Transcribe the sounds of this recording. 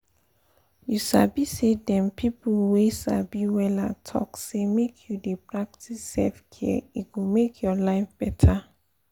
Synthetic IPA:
juʃabisedɛ̃mpʰipulweʃa̰biwɛlatʰɔ̰ksemekʰjudepɹak̚tʰisːɛ̰lfkʰɛ̰iɡumekʰjɔlaɪfb̥ɛtʰa

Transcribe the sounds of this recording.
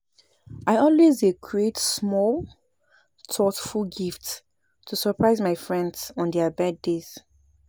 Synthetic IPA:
aɪɔlwezekʰɹietsmɔl | tʰɔtfulɡift | tʰusəpɹaɪzmaɪfɹɛ̃ndsɔ̃ndɛəbɛddez̥

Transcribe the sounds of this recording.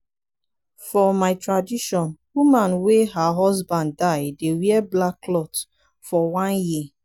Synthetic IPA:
fɔmaɪtɹadiʃɔnwumãnweɦaɦɔzbãnːaɪdewiɛblaklɔt | fɔwãnji

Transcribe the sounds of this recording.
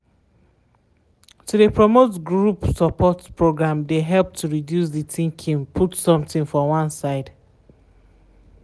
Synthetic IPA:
tʰudepʰɹɔmotɡɹupsɔpʰɔtpɹoɡɹãmdeɦɛlp̚tʰuɹidjusðitʰĩŋkʰĩŋpʰutsɔ̃mtĩŋfɔwãnsaɪd

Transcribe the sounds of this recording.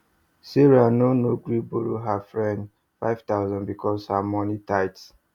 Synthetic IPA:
siɹanonoɡɾiboɾoɦafɹɛ̃nd | fa̰ɪvtaʊzɔ̃nbikʰɔshamɔ̃nitaɪts

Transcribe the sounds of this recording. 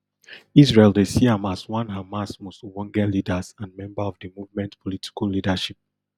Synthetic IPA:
isɹelˠdesiãmaswãnɦamasmoswɔ̃ŋɡɛlidəzãnmɛ̃mbaɔvdɨmuvmɛ̃ntpʰɔlitʰi̥kəllidaʃip̚

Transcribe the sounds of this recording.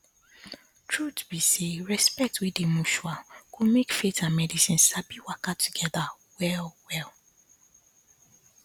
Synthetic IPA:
tʰɹutbiseɹɛspɛk̚twidemuʃuakomekfetãnmɛdisĩnsabiwakatʰuɡɛða | wɛlwɛl

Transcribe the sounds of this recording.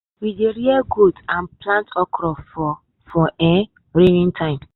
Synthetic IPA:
wideɾiɛɡotãnplãntɔkɾɔfɔ | fɔɛ | ɾenĩntʰãɪ̃m

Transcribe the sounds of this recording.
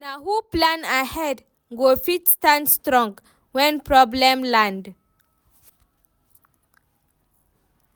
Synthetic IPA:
nahuplãnahɛd | ɡofitstãndstɾɔ̃ŋɡ | wɛ̃npɹɔblɛ̃mlãnd

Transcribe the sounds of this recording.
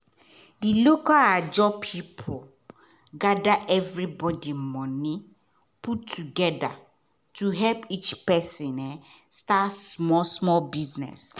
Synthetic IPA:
dilokalad͡ʒɔpʰipʰo | ɡadaʔɛvɹibɔdimɔ̃nĩ | pʰutʰːuɡɛda | tʰuɦɛlpit͡ʃpɛsĩnɛ | stasmɔsmɔlbiznɛ̰s

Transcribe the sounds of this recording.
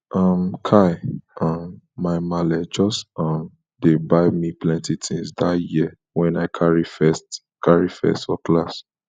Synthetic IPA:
ʔʌmkʰaɪʌmːaɪmalɛd͡ʒɔstʌ̃m | debaɪmiplɛ̃ntitĩŋsdatjiə | wɛ̃naɪkʰaɹifɛst | kʰaɹifɛ̰stfɔklas

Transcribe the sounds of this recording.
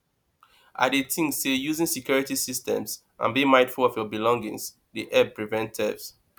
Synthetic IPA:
ʔa̰ditʰĩŋsejuzĩŋsikjɔɹitisistɛ̰̃ms | ʔã̰nbĩmãɪ̃nfulɔfjɔbilɔ̃ŋɡḭ̃ŋs | diʔɛpɹivɛ̃ntʰɛ̰vs

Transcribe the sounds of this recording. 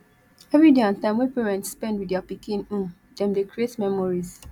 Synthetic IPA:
ɛvɹideãntãɪ̃mwɛ̃peɹɛ̃ntspɛ̃ndwiðapikĩnũn | dɛ̃mdekɹietmɛmɔɹiz

